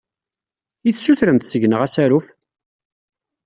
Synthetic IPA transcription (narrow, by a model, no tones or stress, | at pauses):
iθsuθɾənt̪səʝnəʁæsæɾuf